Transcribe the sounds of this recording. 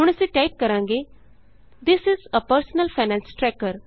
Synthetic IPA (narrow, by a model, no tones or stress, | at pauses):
ɦuɳ̃ɛseʈajp̚kəɾãŋɡe | d̪ɪsɪzəpəɾsənəlfajnælsʈɾɛkəɾ